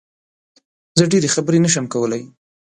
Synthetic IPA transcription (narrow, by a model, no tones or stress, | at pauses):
zəɖeɾexabəɾenəʃ̬əmkawəlaj